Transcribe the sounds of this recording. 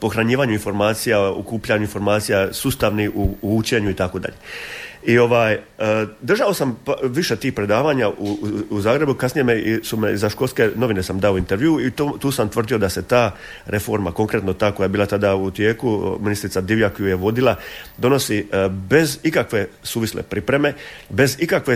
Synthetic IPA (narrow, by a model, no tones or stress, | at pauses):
po̞xɾaɲiːʋaːɲuinfo̞ɾmaːt̪sijao̰kuːpʎaɲuinfo̞ɾmaːt̪sijasuːst̪aʋniuut͡ɕe̞ɲuit̪akod̪a̰ʎe̞io̞ʋaːjd̪r̩ʒao̞sampʋiʃe̞t̪iːhpɾe̞d̪aːʋaːɲaʔuuzaːɡɾe̞bukasnije̞meisumeizaʃko̞lske̞no̞ʋine̞samd̪aoint̪eɾʋjuːit̪ot̪uːsamt̪ʋər̩d̪ijo̞d̪ase̞t̪aː | ɾʔe̞fo̞ɾmako̞ŋkɾe̞t̪no̞t̪aːko̞jajebiːlˠat̪ad̪aut̪je̞ːkuminist̪ɾit̪ad̪iʋjakojujeʋo̞d̪ilˠad̪o̞no̞sibe̞zikakʋe̞suːʋislḛpɾipɾe̞me̞be̞zikakʋe̞